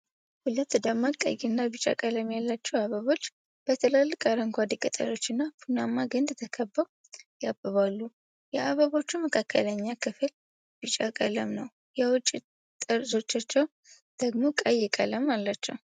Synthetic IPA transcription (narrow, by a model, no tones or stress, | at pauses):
hulət̪ːd̪əmakʼə̰jɪnːabɨt͡ʃʼa̰kʼələmjalːat͡ʃːɛwaβəβo̞t͡ʃː | b̥ət̪ʰəlalːɨkʼaɾəŋkʷad̪ikʼət̪ʼə̰lo̞t͡ʃːɨnːapʰunamːaɡɨnd̪t̪ʰəkʰəbːəw | jabɨβalːu | jɛʔaβəβo̞t͡ʃːuməkʰakʰːələɲːakʰɨfl | bɨt͡ʃʼakʼələmnəw | jɛwʊt͡ʃʼːi | t̪ʼɨɾzo̞t͡ʃːat͡ʃːɛw | d̪̥əɡmo̞kʼəjːɪkʼə̰ləmalːat͡ʃːɛw